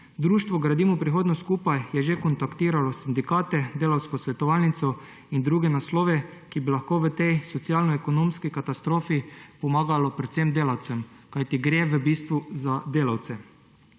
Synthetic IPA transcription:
d̪ɾuːʃt̪ʋɔɡɾad̪iːmupɾixoːd̪nɔskuːpajjɛʒekɔnt̪akt̪iːɾalɔsind̪ikaːt̪ɛd̪eːlawskɔsʋɛt̪ɔʋaːlnit̪sɔ | ind̪ɾuːɡɛnasloːʋɛkibilaxkoːʋət̪ɛjsɔt̪sjaːlnɔɛkɔnoːmskikat̪ast̪ɾoːfipɔmaːɡalɔpɾɛt̪semd̪eːlawt̪sɛmkajt̪iɡɾeːʋəbiːst̪ʋuzad̪eːlawt̪sɛ

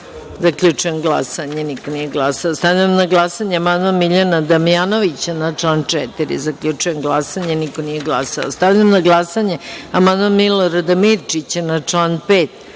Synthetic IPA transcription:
zakʎʲut͡ʂujemɡlˠa̰saɲenikonijeɡlˠasaost̪aʋʎaamnaɡlˠasaɲeamand̪amiʎanad̪amijanoʋit͡ɕanat͡ʂlaːnt͡ʂet̪iɾḭzakʎʲut͡ʂujemɡlˠasaɲeniko̞nijeɡlˠasa̰o̰st̪aʋʎamnaɡlˠasaɲeamand̪amiloɾad̪amiɾt͡ʃit͡ɕanat͡ʂlaːnpeːt̪

